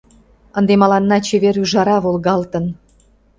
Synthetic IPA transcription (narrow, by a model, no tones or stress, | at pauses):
ə̆nd̪emɑlɑnːɑt͡ɕeβeɾyʒɑɾɑβolɣɑlt̪ə̆n